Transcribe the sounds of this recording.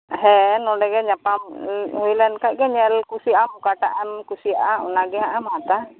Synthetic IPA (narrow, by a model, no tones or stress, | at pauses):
ɦɛnɔdɛɡɛɲapamilɛnkaʔɡɛɲɛlkusiamukaʈaʔamkusiaaṵnaɡɛaʔamat̪a